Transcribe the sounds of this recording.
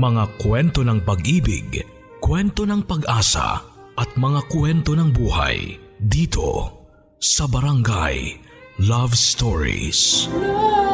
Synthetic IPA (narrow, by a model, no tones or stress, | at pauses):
mɐŋakwɛnt̪o̞nɐŋpɐɡʔiːbɪ̰ɡ | kwɛnt̪o̞nɐŋpɐɡʔaːsɐ̰ | ʔɐt̪̚mɐŋakwɛnt̪o̞nɐŋbuːha̰j | d̪iːt̪ʰo̞̰ | sɐbɐɾɐŋɡa̰j | lavst̪oɹḭs